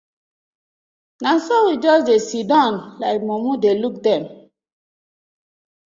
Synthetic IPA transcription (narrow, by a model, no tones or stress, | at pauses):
nãnsɔwid͡ʒɔsdesidãnlaɪk̚momudeluk̚dɛ̃m